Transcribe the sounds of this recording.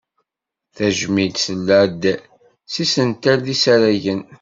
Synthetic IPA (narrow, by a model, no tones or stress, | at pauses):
θæʒmid̪səlːæd̪ | sisənt̪æɾðisæɾæʝən